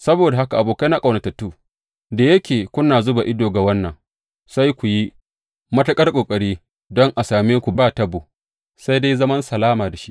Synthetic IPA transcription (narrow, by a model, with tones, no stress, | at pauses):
sɐ˦boː˨da˨ɦa˦ka˨ʔa˨boː˨ka˦jna˦kʼa˨nɐ˨tɐ˨tːuː˦ | da˨jɐ˦kʲeː˨kʷʊ˦naː˨zʊ˦ba˨ʔɪ˦doː˨ɡa˨wɐ˦nːɐ˨ŋ | sa˦jkʷu˨ji˦ | mɐ˦tɐ˦kʼɐ˦rkʼoː˨kʼɐ˨ɽiː˦ | dɔ˦ŋʔa˨saː˨meː˦kʷu˨baː˦˨tɐ˦boː˨ | sa˦jde˦jzɐ˦mɐ˦nsɐ˨laː˦maː˨da˨ʃi̥˦ʔ